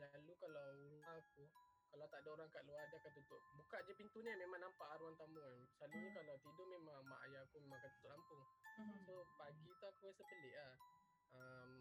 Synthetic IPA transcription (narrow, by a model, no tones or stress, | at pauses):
lalukalawuŋaku | kalat̪aʔdaoɾaŋkaʔluadakant̪unt̪ʊʔ̚bukaʔd͡ʒapint̪unimemaŋnampaʔaɾuant̪amuansalunukalawt̪idʊmemaŋama̰ʔajakumemãŋkant̪unt̪ʊʔampʊŋsopaɡit̪uakuasəpəlɪʔlah | əm